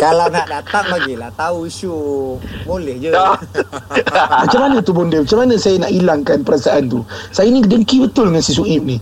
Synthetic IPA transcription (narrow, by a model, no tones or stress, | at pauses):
kalawnaʔdat̪aŋlaɡilaht̪auisu | bolɛhd͡ʒə | mat͡ʃamanat̪ubɔndəmat͡ʃamanãsajanaʔilaŋkanpəɾasaʔant̪usajanidəŋkibət̪ʊləŋansis̬uʔip̚ni